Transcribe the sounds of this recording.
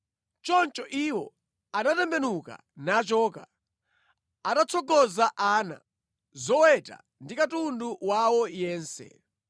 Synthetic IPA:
t͡ʃɔnt͡ʃɔʔiwɔ | aɗatɛmbɛnuka̰ | nat͡ʃɔːka | atat͡sʰɔɡɔzaʔaːna̰ | zɔwɛta̰ | ndikatunduwawɔjɛːnsɛ̰

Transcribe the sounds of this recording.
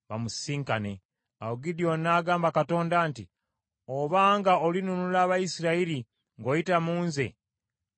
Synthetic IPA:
βa̰musiːŋkane̞ | awuɡidijo̞nːaːɡaːmbakato̞ːndaːnti | oβaːŋɡaolinunulaːβajisiɾaiɾi | ŋɡo̞jitamuːnze̞̰

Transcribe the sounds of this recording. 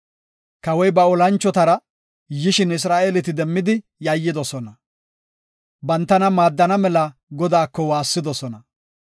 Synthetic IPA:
kɐwɔjbɐɔlɐnt͡ʃːɔt̪ɐɾɐ | jɪʃɪnɪs̬ɾaːʔelɪt̪ɪd̪ɛmːɪd̪ɪ | jɐjːɪd̪ɔsɔnɐ | bɐnt̪ːɐnɐmaːd̪ːɐnɐmɛlɐɡɔd̪aːkːɔwaːsːɪd̪ɔsɔnɐ

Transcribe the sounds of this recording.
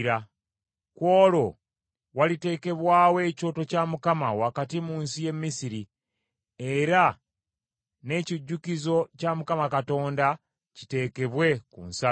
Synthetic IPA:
ɾa | kwo̞ːlo̞ | walite̞ːke̞βwaːwe̞ːco̞to̞camukamawakatimuːnsije̞mmːisiɾi | e̞ɾa | ne̞ciɟːukizo̞camukamakato̞ːnda | ci̥te̞ːke̞βwe̞kṵnsa

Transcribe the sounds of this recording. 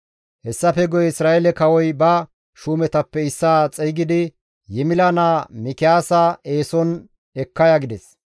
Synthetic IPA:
hɛsːɐfɛɡɔjɛɪsɾaːʔɛlɛkɐwɔjbɐ | ʃuːmɛt̪ɐpːɛɪsːaːt͡sʼɛjɡɪd̪ɪ | jɛmɪlɐnaːmɪkɪjaːsae̞ːsɔn | ɛkːɐjaɡɪd̪ɛs

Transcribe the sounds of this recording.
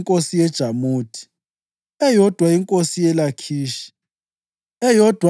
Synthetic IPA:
ŋkʼosijɛd̥ʒ̥ʱamuːtʰi̥ | ɛjɔd̥ʱwaiŋkʼosijɛlakʰiːʃi̥ | ɛjɔd̥ʱw

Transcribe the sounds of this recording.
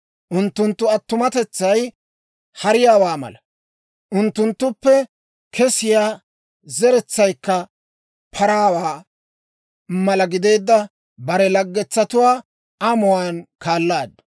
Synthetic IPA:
ʔʊnt̪ːʊnt̪ːʊɐt̪ːʊmɐt̪ɛt͡sːɐj | hɐɾɪjaːwaːmɐ̰lɐ | ʔʊnt̪ːʊnt̪ːʊpːɛ | kʰɛsɪjaː | zɛɾɛt͡sːɐjkːɐ | pʰɐɾaːwaː | mɐlɐɡɪd̪e̞ːd̪ːɐ | bɐɾɛlɐɡːɛt͡sːɐt̪ʊwaː | ɐmʊwaːnkaːlːaːd̪ːɐ

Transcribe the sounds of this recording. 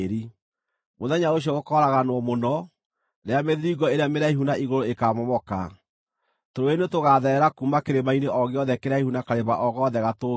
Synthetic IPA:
ɾi | moðɛɲaoɕ̬iɔɣokɔɾaɣanwɔmonɔ | ɾeameðiɾiɣɔeɾeameɾaiɦunaʔiɣoɾoekaːmɔmɔka̰ | toɾoenetoɣaːðɛɾɛɾakuːmakeɾemaineʔɔɣeɔðɛkeɾaihunakaɾeβaʔɔɣɔðɛɣato

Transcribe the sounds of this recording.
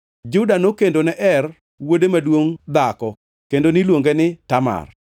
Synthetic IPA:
d͡ʒʊdanokendonɛʔɛr | wodemadwoŋd̪akɔ | kendonɪlwoŋɡenɪtama̰r

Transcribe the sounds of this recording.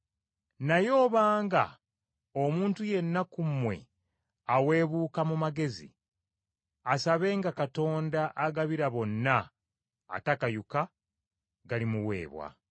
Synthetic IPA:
najo̞ːβaːŋɡa̰ | omuːntuje̞nːakumwe̞̰ | awe̞ːβuːkamumaɡe̞zḭ | asaβe̞ːŋɡakato̞ːndaʔaɡaβiɾaβo̞nːa̰ː | takajuka | ɡalimuwe̞̰ːβwa̰

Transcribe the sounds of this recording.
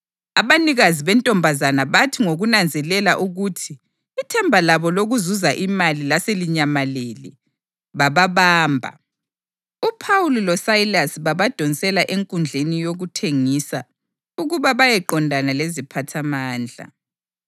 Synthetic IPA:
aβaniɣaziβɛntʼɔmbʱazanaβatʰiŋoɣunand͡zʱɛlɛlaʔuɣutʰiː | tʰɛmbʱalaβɔloɣuzuzaʔimalilaseliɲamaleli | βaβaβaːmbʱa̰ | upʰawulilɔsailasiβaβad̥ʱɔnsʼɛlaʔeŋkʼund͡ɮʱenijoɣutʰeŋisa | uɣuβaβajɛǃɔndʱanalezipʰatʰamaːnd͡ɮʱa̰

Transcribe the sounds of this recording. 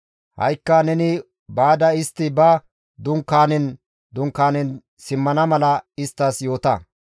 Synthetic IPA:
hɐ̰jkːɐnɛnɪ | baːd̪ɐɪst̪ːɪbɐ | d̪ʊŋkːaːnɛn | d̪ʊŋkːaːnɛn | sɪmːɐnɐmɐlɐɪst̪ːɐsjo̞ːt̪ɐ̰

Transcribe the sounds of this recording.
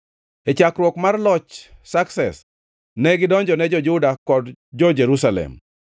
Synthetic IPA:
ɛt͡ʃakɾwɔkmarlɔt͡ʃsaksɛs | nɛɡɪdɔɲd͡ʒɔnɛd͡ʒɔd͡ʒʊdakɔdd͡ʒɔd͡ʒeɾusalɛ̰m

